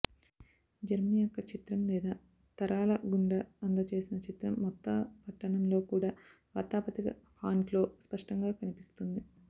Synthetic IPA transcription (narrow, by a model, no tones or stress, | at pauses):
d͡ʒɐɾmijɔkːɐt͡ʃit̪ɾɐmlɛːd̪aː | t̪ɐɾaːlɐɡuɳɖɐɐnd̪ɐt͡ʃe̞ːsinɐt͡ʃit̪ɾɐmːɔt̪ːɐpɐʈːɐɳɐmlo̞ːkuːɽaː | ʋɐt̪aːpɐt̪ikɐ̰pʰaːɳʈlo̞ːspɐʂʈɐŋɡaːkɐnipist̪und̪i